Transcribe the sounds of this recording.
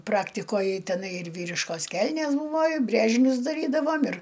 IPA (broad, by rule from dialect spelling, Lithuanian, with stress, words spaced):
ˈprɑːktʲɪkoːj tʲɛˈnɐɪ ɪr ˈʋʲiːrʲɪʃkoːs ˈkʲɛlʲnʲeːs ˈbuːʋoː ɪ ˈbʲrʲeːʒʲɪnʲʊs dɐˈrʲiːdɐʋoːm ɪr